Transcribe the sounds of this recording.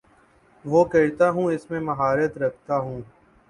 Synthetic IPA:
ʋoːkeɽt̪aɦũːɪsmẽmɐɦaːɾət̪ɾəkʰt̪aɦũː

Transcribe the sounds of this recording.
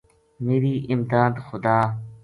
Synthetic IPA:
meɾiːʔimd̪aːd̪xʊd̪aː

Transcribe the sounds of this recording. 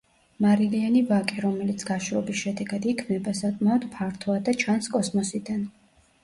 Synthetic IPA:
maɾilianivakʼiɾɔmɛlit̪sʰɡaʃɾɔbisʃɛd̪ɛɡad̪ikʰmnɛbasakʼmaɔd̪̥pʰaɾt̪ʰɔad̪at͡ʃʰanskʼɔsmɔsid̪an

